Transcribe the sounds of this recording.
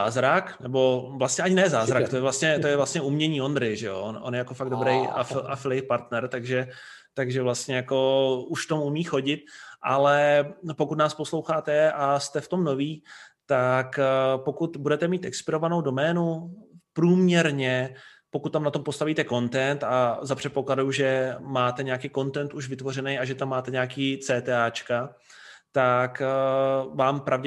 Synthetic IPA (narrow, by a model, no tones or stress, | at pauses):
aːzɾaknɛbo̞vlast̪ɲɛʔaɲɪnɛːzaːzɾakt̪ojɛvlast̪ɲɛt̪ojɛvlast̪ɲɛumɲɛɲiːo̞nd̪ɾɪjʒɛjo̰ʔonʔo̰njɛjako̞faɡ̚dobɾɛja̰fafɪljɛpaɾt̪nɛɾt̪aɡʒɛ | t̪aɡʒɛvlast̪ɲɛjako̞uʃft̪omumiːxo̞ɟɪt̪̚ʔa̰lɛpokut̪naːsposlowxaːt̪ɛast̪ɛft̪o̞mno̞viːt̪akpo̞kut̪budɛt̪ɛmiːt̪ʔɛkspɪɾo̞vano̞wdo̞mɛːnupɾuːmɲɛɾɲɛpokut̪̚ːamnat̪o̞mpo̞st̪aviːt̪ɛko̞nt̪ɛnt̪azapr̥ɛt̪̚po̞kladjuʒɛmaːt̪ɛɲɛakiːko̞nt̪ɛnt̪uʒvɪt̪vo̞rɛnɛjaʒɛt̪amːaːt̪ɛɲɛakiːt͡sɛːt̪ɛːaːt͡ʃka | t̪ak | vaːmpɾʔavɟɛ